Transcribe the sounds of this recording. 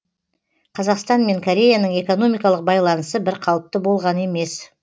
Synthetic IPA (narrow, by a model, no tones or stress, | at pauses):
qʰɑzɑqst̪ɑnme̞ŋkʰoɾʲe̞janəɴe̞ko̞no̞mijkɑlˠəq̚bɑjlˠɑnəsəbɪɾqʰɑlˠəp̚t̪əbo̞lˠʁɑne̞me̞s